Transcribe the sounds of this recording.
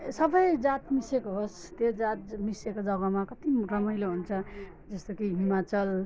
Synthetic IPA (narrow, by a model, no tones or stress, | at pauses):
sʌbʌjd͡zat̪misekoɦost̪jod͡zat̪̚misekod͡zʌɡʌmakʌt̪irʌmʌjloɦunt͡sʰʌ | d͡zʌst̪okiɦimat͡sʌl